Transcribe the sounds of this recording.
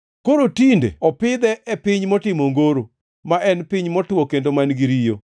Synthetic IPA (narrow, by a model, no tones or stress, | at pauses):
koɾotindḛɔpɪd̪ɛʔɛpɪɲmɔtɪmoŋɡoɾo | maʔɛnpɪɲmɔtwɔkendomanɡiɾijo